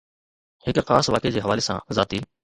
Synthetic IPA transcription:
hɪkxaːsʋaːkeːd͡ʑeːɦəʋaːleːsã̰ːzaːt̪iː

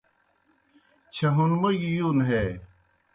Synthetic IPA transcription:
t͡ɕʰɐɦunmɐɡjunɦe

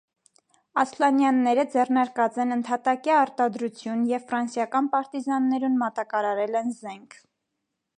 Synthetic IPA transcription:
ɑslɑnjɑnːɛɾəd͡zɛrnɑɾkɑt͡sɛnənt̪ʰɑt̪ɑkiɑɾt̪ɑd̪ɾut͡sʰjunjɛvfɾɑnsjɑkɑnpɑɾt̪izɑnːɛɾunmɑt̪ɑkɑɾɑɾɛlɛnzɛŋkʰ

